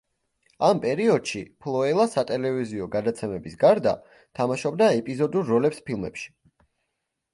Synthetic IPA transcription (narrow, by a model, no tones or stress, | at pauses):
ampʼɛɾiɔd̪̥ʃipʰlˠɔɛlˠasat̪ʼɛlɛviziɔɡad̪at̪sʰɛmɛbisɡaɾd̪a | t̪ʰamaʃɔb̚d̪aɛpʼizɔd̪uɾːɔlɛpspʰilˠmɛ̰pʃi̥